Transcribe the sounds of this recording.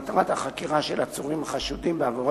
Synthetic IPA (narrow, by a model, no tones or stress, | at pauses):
t̪ʁat̪haχakiʁaʃelat͡suʁimχaʃud̪imbeavoʁo